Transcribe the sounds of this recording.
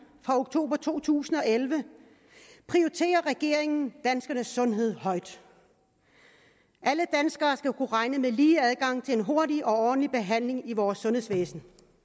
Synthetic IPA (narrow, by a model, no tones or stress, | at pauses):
fʁɑ̈o̝ɡ̥t͡sʰo̝̰ːb̥ɐt͡sʰo̝̰ːt͡sʰṵːsn̩ɒ̽elʋə | pʰʁiɒit͡sʰe̝̰ːɐʁɛɡ̥e̝̰ɐ̰eŋn̩d̥ænsɡ̥ɐnəsːɔ̽nɦe̝ð̞̰ˠhɒ̽ɪ̰d̥ | ʔæləd̥ænsɡ̥ɐːsɡ̥ækʰuʁɑ̈ɪnəmeliːæð̞ˠɡ̥ɑ̈ŋ̰t͡sʰe̝lenɦo̝ɐdiʔɒ̽ɒ̥ːn̩lib̥e̝ɦæn̰le̝ŋiʋɒːsːɔ̽nhesʋḛːsn̩